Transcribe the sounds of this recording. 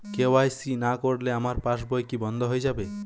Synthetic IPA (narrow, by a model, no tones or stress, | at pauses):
keoajsinakoɽleamaɾpaʃbɔjkibɔnd̪ʱoɦojd͡ʑabe